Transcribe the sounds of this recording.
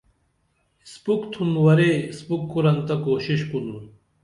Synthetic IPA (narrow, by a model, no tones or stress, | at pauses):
spukt̪ʰunwɐɾespukːuɾɐnt̪akoːɕiɕkunu